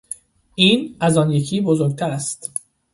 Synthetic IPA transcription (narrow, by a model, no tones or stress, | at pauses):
ʔiːnæzɒːnjecʰiːbozoɾɡ̚t̪ʰæɾæst̪